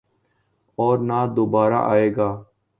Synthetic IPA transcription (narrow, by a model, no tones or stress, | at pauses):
ɔːɾnaːd̪oːbaːɾa̰ːʔaːeːɡaː